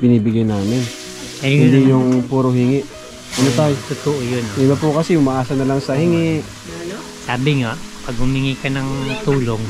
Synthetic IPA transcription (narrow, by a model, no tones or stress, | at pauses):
bɪniːbɪɡajnaːmɪn | ɐhɪnd̪ijʊŋpuːɾoɦɪŋɪʔ | ʔɐnot̪ajt̪ʊt̪ʊʔojonʔɪbɐpʊkɐsɛʊmɐʔaːsɐnɐlaŋsɐhɪŋɪʔ | saːbɪŋaʔpɐɡ̚hʊmɪŋɪkɐnɐŋt̪uːloŋ